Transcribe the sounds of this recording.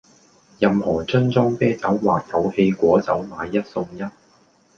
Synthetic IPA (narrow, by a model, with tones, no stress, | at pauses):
jɐ˨mhɔː˨˩t͡sɵ˥nt͡sɔː˥ŋpɛː˥t͡sɐ˨˥wwaː˨k̚t̪ʰɐ˨˥whe˧jkʷɔː˨˥t͡sɐ˨˥wmaː˨˧jːɐ˥t̚sʊ˧ŋjɐ˥t̚